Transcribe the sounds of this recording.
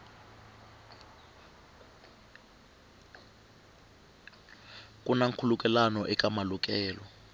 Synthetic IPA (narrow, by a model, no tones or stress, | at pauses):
kʼunaŋkʰulukʼɛlanɔʔɛkʼamaluk̬ʼɛːlɔ